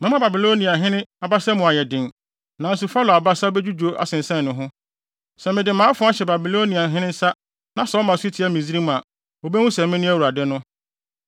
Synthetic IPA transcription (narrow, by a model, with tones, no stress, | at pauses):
mɪ̃˦mã˦ba˨bi˨lo˦nĩ˨a˨ɦɪ̃˦nɪ̃˦a˨ba˦sa˦mʊ̃˨a˨jɛ˨dɪ̃˨n | nã˨n̩˦s̬ʊ˨fa˦lɔ˨a˨ba˦sa˦o˦be˦d͡ʑᶣu˦d͡ʑu˨o˦ʔa̰˨sɪ̃˨n̩˨sɛ̃˦˨nʊ̃˨ɦʊ̃˦ | sɛ˨mɪ̃˨dɪ˨mãː˨˦fʊ̃˦a˦ɕɛ˨ba˨bi˨lo˦ni˨a˨ɦɪ̃˦nɪ̃˦n̩˦sa˦ | nã˨sɔ˨˦mã˨stʰi˨˦a˦˨mĩ˨zi˦ɾi˦m̃˨a˨ | o˨bɛ˦wʊ̃˦sɛ̃˨mːɪ̃˦nʊ̃˦æ˦˨wu˨ɾa˨dɪ˦nʊ̃˦